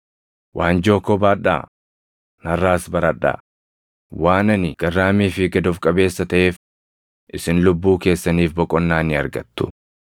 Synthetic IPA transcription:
wʔaːnd͡ʒo̞ːkɔbaːᶑːa̰ː | nɐrːaːsbɐɾɐᶑa̰ː | waːnɐnɪɡ̥ɐrːaːmiːfɪɡɐd̪ɔfkʼɐbe̞ːsːɐt̪ɐʔe̞ːf | ʔɪsɪnlʊbːuːke̞ːsːɐniːfbɔkʼɔnːaːnɪɐɾɡɐt̪ːʊ̥

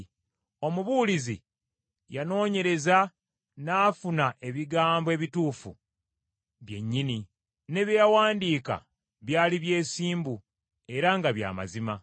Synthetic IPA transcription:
o̞muβuːlizḭ | jano̞ːɲe̞ɾe̞za | naːfunaʔe̞βiɡaːmboe̞ːβituːfṵ | βje̞̰ɲːini | ne̞βjjawaːndiːka̰ | βjaːliβje̞ːsiːmbu | e̞ɾaŋɡaβja̰ːma̰zima

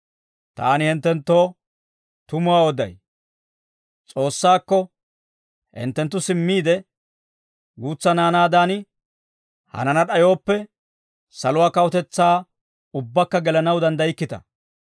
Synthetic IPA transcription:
t̪aːnɪhɪnt̪ːɛnt̪ːo̞ː | t̪ʊmʊwaːɔd̪ɐ̰j | t͡sʼo̞ːsːaːkːɔ | hɪ̰nt̪ːɛnt̪ːʊsɪmːiːd̪ɛ | ɡuːt͡sːɐnaːnaːd̪aːnɪ | hɐ̰nɐnɐɗɐjo̞ːpːɛ | sɐlʊwaːkɐwɔt̪ɛt͡sːaː | ʊbːɐkːɐɡɛlɐnɐwd̪ɐnd̪ɐjɪkːɪt̪ɐ̰

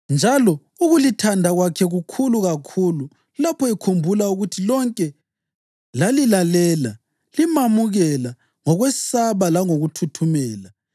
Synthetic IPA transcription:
nd͡ʒʱalɔ | uɣulitʰandʱaɣwakʰɛɣukʰuluɣakʰulu | lapʰɔikʰumbʱulauɣutʰilɔŋkʼɛ | lalilalɛːla | limamuɣɛla | ŋɔɣwɛsaβalaŋoɣutʰutʰumɛːla

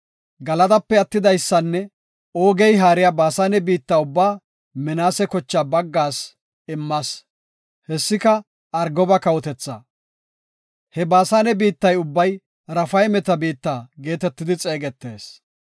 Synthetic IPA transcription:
ɡɐlɐd̪ɐpːɛɐt̪ːɪd̪ɐjsːɐnːɛ | o̞ːɡɛjɦaːɾɪjabaːsaːnɛbiːt̪ːaːʊbːaː | mɛnaːsɛkɔt͡ʃːaːbɐɡːaːs | ɪmːɐs | hɛsːɪkɐ | ɐɾɡɔbɐkɐwɔt̪ɛt͡sːɐ̰ | hɛbaːsaːnɛbiːt̪ːɐjʊbːɐj | ɾɐfɐjmɛt̪ɐbiːt̪ːaːɡe̞ːt̪ɛt̪ːɪd̪ɪt͡sʼe̞ːɡɛt̪ːe̞̰ːs

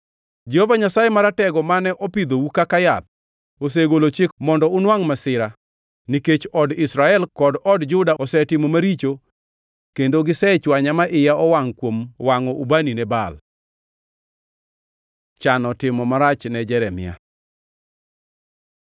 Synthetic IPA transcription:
d͡ʒɛhovaɲasajemaɾatɛɡɔmanɛʔɔpid̪owukakajat̪̚ | os̬eɡolot͡ʃɪkmɔndɔʊnwaŋmasɪɾa | niket͡ʃɔdɪsɾaɛlkɔdɔdd͡ʒʊdaɔsɛtɪmomaɾit͡ʃo | kendoɡɪsɛt͡ʃwaɲamaʔɪjaɔwaŋkwomwaŋɔʔubaninɛba̰l | t͡ʃanɔtɪmɔmaɾat͡ʃnɛd͡ʒɛɾɛmɪ̰a̰

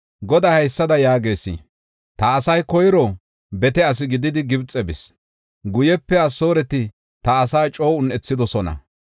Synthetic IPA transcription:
ɡɔd̪ɐhɐjsːɐd̪ɐjaːɡe̞ːsḭ | t̪ɐːsɐjkɔjɾɔ | bɛt̪ɛɐs̬ɪɡɪd̪ɪd̪ɪɡɪbt͡sʼːɛbɪs | ɡʊjɛpːɛɐso̞ːɾɛt̪ɪ | t̪ɐːsaːt͡ʃʼo̞ːʊnʔɛt͡sːɪd̪ɔsɔnɐ̰

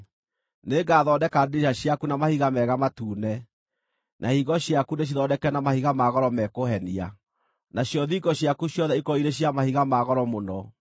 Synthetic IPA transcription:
neːɡaːðɔdɛkadeɕaɕjakunamahiɣamɛɣamatuːnɛ | nʔahiɣɔɕjakuneʃ̬iðɔdɛkɛnamahiɣamaɣɔɾɔmɛkohɛnia | naɕjɔðiɡɔɕjakuɕjɔðɛikɔiɾeɕjamahiɣamaɣɔɾɔmonɔ

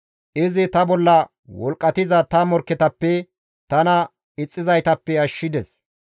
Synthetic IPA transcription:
ʔɪzɪt̪ɐbɔlːɐ | wɔlkʼːɐt̪ɪzɐt̪ɐmɔɾkːɛt̪ɐpːɛ | t̪ɐnɐ | ɪt͡sʼːɪzɐjt̪ɐpːɛɐʃːɪd̪ɛs

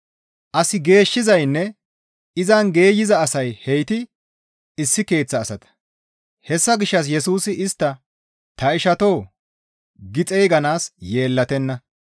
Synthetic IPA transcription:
ʔɐsɪɡe̞ːʃːɪzɐjnːɛ | ɪzɐnɡe̞ːjɪzɐːsɐjhɛjt̪ɪ | ɪsːɪke̞ːt͡sːɐːsɐt̪ɐ̥ | hɛsːɐɡɪʃːɐs̬jɛsuːsɪʔɪst̪ːɐ | t̪ɐɪʃɐt̪o̞ː | ɡɪt͡sʼɛjɡɐnaːsje̞ːlːɐt̪ɛnːɐ

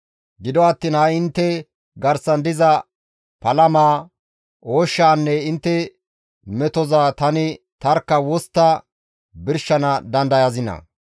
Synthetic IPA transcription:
ɡɪd̪ɔɐt̪ːiːnhɐɪnt̪ːɛ | ɡɐɾsɐnd̪ɪzɐ | pɐlɐmaː | ʔoːʃːaːnːɛɪnt̪ːɛ | mɛt̪ɔzaːt̪ɐnɪ | t̪ɐɾkːɐwɔst̪ːɐ | bɪɾʃːɐnɐd̪ɐnd̪ɐjɐzɪnɐ̰

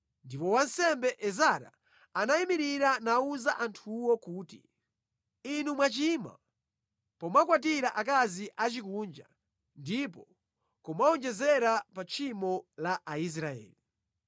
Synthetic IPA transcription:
ndipɔwan̩sɛmbɛʔɛzaɾa̰ | anaimiɾiɾanauzaʔantʰuwɔkuːtḭ | inumwat͡ʃima̰ | pɔmakwat̬iɾaʔakaziʔat͡ʃikund͡ʒa̰ | ndipɔ | kumaɔnd͡ʒɛzɛɾapat͡ʃʰimɔlaʔais̬ɾaɛ̰ːli

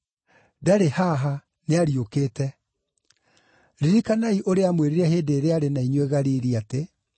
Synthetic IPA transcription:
daɾehaɦa | neaɾiokeːtɛ | ɾiɾikanaiʔoɾeamweɾiɾɛheːdeːɾeaɾenaiɲweɣaɾiːɾiate

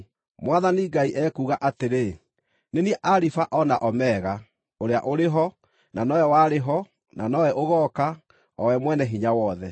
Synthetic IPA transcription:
mwaðaniɡaiʔɛːkuːɣaʔateɾe | neniɛʔaɾifaʔɔnaʔɔmɛːɣa | oɾeaʔoɾeɦɔ | nanɔwɛwaːɾeɦɔ | nanɔwɛʔoɣɔːka | ɔwɛmwɛnɛɦiɲawɔðɛ

